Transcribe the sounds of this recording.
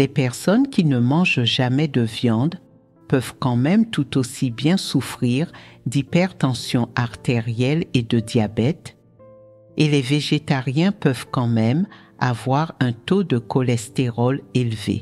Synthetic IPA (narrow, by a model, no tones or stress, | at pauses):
lɛpɛʁsɔnkʲinəmɑ̃ʒʒamɛd̪əvjɑ̃d̪ | pœvkɑ̃mɛmt̪ut̪osibjɛ̃sufχiʁd̪ipɛʁt̪ɑ̃sjɔ̃ʔaʁt̪eʁjɛled̪əd̪jabɛt̪ | elɛveʒet̪aʁjɛ̃pœvkɑ̃mɛm | a̰vwaʁɛ̃t̪od̪əkɔlɛst̪eʁɔlelvḛ